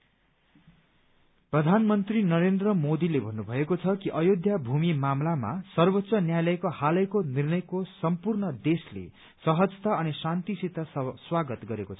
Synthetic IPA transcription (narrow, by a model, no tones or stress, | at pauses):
prʌd̪ʱanmʌnt̪rinʌɾend̪rʌmod̪ilebʱʌnːubʱʌekot͡sʰʌkiʔʌjod̪ʱjabʱumimamlama̰sʌrbʌtːsʌnjajlʌjkohalʌjkonirnʌjkosʌmpurnʌd̪eslḛ | sʌɦʌd͡zt̪aʌnisant̪isit̪aswaɡʌt̪ɡʌɾekot͡sʰʌ